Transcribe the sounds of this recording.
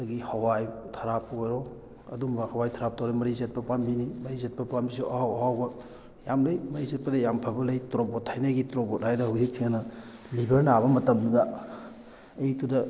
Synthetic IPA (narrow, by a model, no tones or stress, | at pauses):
dɐɡihɐwajtʰɐɾapwajɾo | ɐ̰dumbɐhɐwajtʰaɾap̚tʰawɾɐmɐɾizet̚pɐpambinimɐɾizet̚pɐpambisuʔahawɦawbɐ | jamlɐjmɐɾizet̚pɐdɐjampʰɐbɐlɐjtɾobotʰːajnɐɡitɾobot̚hajdɐhuwzik̚sʰiŋanɐlibɐɾnaβɐmɐtɐmdudɐ | jtudɐ